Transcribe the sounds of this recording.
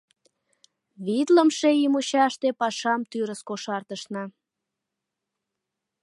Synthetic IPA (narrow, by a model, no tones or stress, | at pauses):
βit̪ləmʃeimuɕɑʃt̪epɑʃɑmt̪yɾəskoʃɑrt̪əʃnɑ